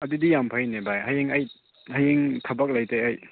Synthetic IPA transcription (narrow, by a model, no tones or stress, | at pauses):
ɐdudijampʰɐjnebajɦajeŋɐj | hajeŋtʰɐbɐk̚lɐjtejɐj